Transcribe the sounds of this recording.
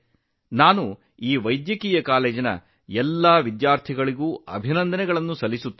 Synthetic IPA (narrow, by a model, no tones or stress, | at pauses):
naːnu | iːʋɐjd̪jɐkiːjɐkaːleːd͡ʒɐnɐ̰ | ɛlːaːʋid̪jaːɾt̪ʰiɡɐɭiɡuːɐ̰bʱinɐnd̪ɐnɛɡɐɭɐnːusɐlːisut̪ː